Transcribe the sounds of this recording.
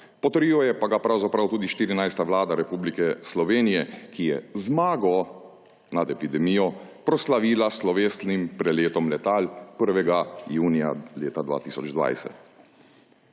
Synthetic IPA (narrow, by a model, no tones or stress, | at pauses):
pɔt̪əɾiːɔjɛpaɡapɾawzapɾawt̪uːd̪iʃt̪iːɾinajst̪aʋlaːd̪aɾɛpuːblikɛslɔʋeːnijɛkijɛzmaːɡɔ | nad̪ɛpid̪ɛmiːjɔpɾɔslaʋiːlaslɔʋeːst̪nimpɾɛleːt̪ɔmlɛt̪aːlpəɾʋɛɡajuːnija̰leːt̪ad̪ʋa̰ːt̪iːsɔd͡ʒd̪ʋa̰jsɛ̰t̪